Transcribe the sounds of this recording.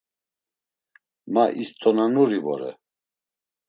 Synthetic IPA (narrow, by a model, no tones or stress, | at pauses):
maʔist̪ʼɔnanuɾivɔ̰ɾɛ̰